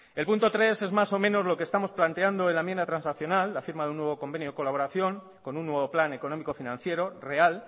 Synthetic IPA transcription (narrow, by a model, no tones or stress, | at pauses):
e̞lpunt̪o̞t̪ɾe̞se̞zmaso̞mẽ̞no̞zlo̞kest̪amo̞splant̪e̞and̪o̞e̞nlamjend̪at̪ɾansakθjo̞nalːafiɾmaðunːwe̞βoko̞mbe̞njoeko̞laβo̞ɾaθjo̞ŋ | ko̞nunːwe̞β̞o̞plane̞ko̞no̞mikofinãnθje̞ɾo̞re̞al